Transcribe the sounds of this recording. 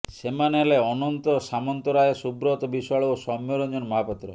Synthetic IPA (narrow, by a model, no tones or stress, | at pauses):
semaneɦeleɔnɔnt̪ɔsamɔnt̪ɔɾajesubɾɔt̪ɔbisɔɭosɔmjoɾɔd͡ʒɔnmɔɦapɔt̪ːɾɔ̰